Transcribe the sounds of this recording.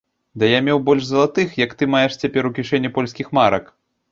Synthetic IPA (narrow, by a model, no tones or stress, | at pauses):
d̪ɐjamʲɛwbɔlʲʂzɐlˠat̪ɨxjɐkt̪ɨmajɛʂt͡sʲapʲɛɾukʲiʂɛnʲːipɔlʲsʲkʲixmaɾɐk